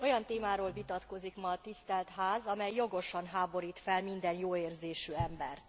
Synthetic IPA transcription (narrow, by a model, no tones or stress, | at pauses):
o̞jɒnt̪eːmaːɾoːlvit̪ɒt̪ko̞zikmɒt̪ist̪ɛlt̪ɦaːzɒmɛjːo̞ɡo̞ʃɒnɦaːbo̞ɾiːt̪fɛlmind̪ɛnjoːeːrzeːʃyːɛmbɛ̰rt̪